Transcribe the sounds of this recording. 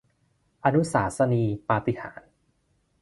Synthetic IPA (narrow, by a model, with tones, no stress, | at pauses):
ʔa˧nu˦˥saː˩˦sa˧niː˧paː˧t̪i˨˩hʰa̰ː˩˦n